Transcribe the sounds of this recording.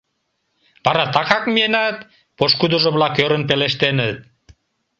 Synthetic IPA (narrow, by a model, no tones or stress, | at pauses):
bɑɾɑt̪ɑkɑkmienɑt̪ | poʃkud̪oʒoβlɑkøɾənpeleʃt̪enət̪̚